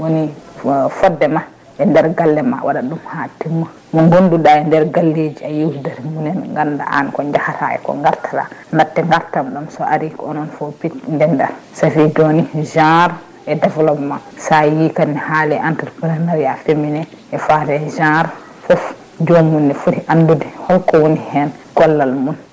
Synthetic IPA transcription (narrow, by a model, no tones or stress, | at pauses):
woni | fɔdːɛma | ʔɛndɛɾɡalːɛma̰wʔa̰ɗaɗumhatimːa | mɔŋɡonduɗaɛndɛɾɡalːed͡ʒiajiwdɛɾmunɛnŋɡanda̰ʔa̰nkɔɲd͡ʒahata̰ɛ̰kɔ̰ŋɡaɾtʰala̰natːɛŋɡaɾtamɗumsɔʔaɾikɔnɔnfopitndɛndaɾsafidoniʒaɾ | ɛdɛvlɔpmasajikanːɛhaːlɛʔantɛɾpɾɛnaɾjafeminɛ | ʔɛfatɛʒaɾ | fɔf | d͡ʒomunːɛfudiʔandudɛhɔlkɔwonihɛnɡ̥ɔlːalmun